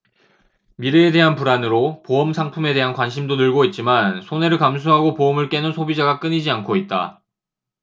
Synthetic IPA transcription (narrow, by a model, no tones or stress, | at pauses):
miɾe̞ːde̞ɦanpuɾanɯɾopoʌmsʰaŋpʰume̞de̞ɦankwanɕʰimdonɯɭɡoit̚t͡ɕ͈imansʰone̞ɾɯɭkams̬ʰuɦaɡopoʌmɯɭk͈e̞nɯnsʰobid͡ʑaɡak͈ɯɲid͡ʑiankʰoit̚t͈a̰